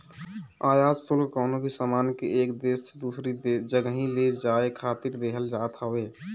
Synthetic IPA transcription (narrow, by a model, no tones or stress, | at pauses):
aːjaːsulkɔːnobʱisaːmaːnkeeːkd̪eːsd̪uːsɾid͡ʒəɡəɦĩled͡ʒaːekʰaːt̪iɾd̪eɦəld͡ʒaːt̪ɦəwe